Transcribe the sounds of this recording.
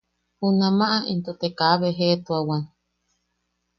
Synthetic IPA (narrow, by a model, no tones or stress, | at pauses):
hunãmãʔaʔint̪ot̪ekaβeɦet̪uawan